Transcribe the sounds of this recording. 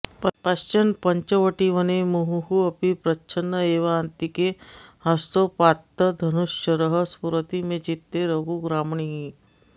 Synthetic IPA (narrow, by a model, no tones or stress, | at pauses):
ppast͡ʃɐnpɐɲt͡ʃəʋəʈiʋənemuɦuɦuɐpipɾɐt͡ʃʰənːəeːʋɐant̪ikehɐst̪opat̪ːəd̪ʱɐnuʃjəɾəɦəspuɾət̪imẽd͡ʒit̪ːeɾəɡuɡɾaːmɳiɦi